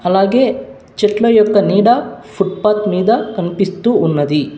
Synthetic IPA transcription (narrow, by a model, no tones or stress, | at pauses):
ɐlaːɡeː | t͡ʃɛʈlɐjɔkːɐniːɽɐpʰuʈ̚paːt̪miːd̪ɐkɐnpist̪uunːɐd̪i